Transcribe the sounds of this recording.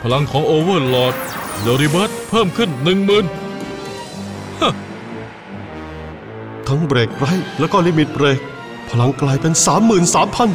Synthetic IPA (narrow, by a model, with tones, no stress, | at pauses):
pʰa˧la˧ŋkʰɔː˩˦ŋʔoː˧wɤː˥˩lɔː˧˩t̪̚de˧ɾi˧bəː˦˥˩t̪̚pʰɤː˥˩mkʰɯ˥˩nːɯ˨˩ŋmɯː˨˩n | ha˥˩ | t̪ʰa˦˥ŋbɾɛː˨˩kːɾa˦˥jlɛː˦˥wkɔ˥˩liː˧˥˩mi˨˩t̪̚pɾeː˧˩k̚ | pʰa˧la˧ŋklaː˧jpe˧nsaː˩˦mːɯː˨˩nsaː˩˦mpʰa˧˥n